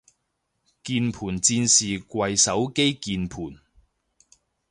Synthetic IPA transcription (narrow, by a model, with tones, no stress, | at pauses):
kiː˧npʰuː˨˩nt͡siː˧nsiː˨kwɐ˨jsɐ˨˥wke˥jkiː˧npʰuː˨˩n